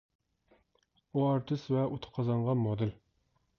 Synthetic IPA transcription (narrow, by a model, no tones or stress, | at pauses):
uɑɾt̪ʰɨsvɛʔut̪ʰə̥qʰɑzɑɴʁɑmɔd̪ɪl